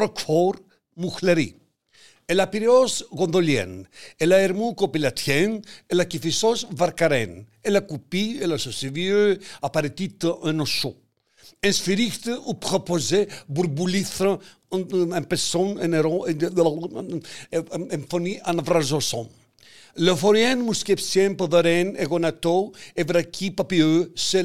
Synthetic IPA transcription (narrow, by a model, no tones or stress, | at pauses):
ɾɔkfɔɾ | muxleɾḭ | elapiɾeɔsɣɔ̃nd̪oljɛ̰nelaeɾmukopilat̪ʰjɛnelakifisɔsvaɾkaɾɛnelakupielasɔsevjøapaɾet̪it̪ʔɛnoʃo | ɛ̃nsfiɾikt̪upɾɔpɔzebuɾbuliθɾə | ɛ̃mpɛsɔ̃nɛneɾɔ | ɛ̃nfɔniʔanavɾazɔsɔ̃n | ləfɔɾjɛnmuskɛpsjɛnpəðəɾɛneɣɔnat̪ɔevɾakʰipapiøse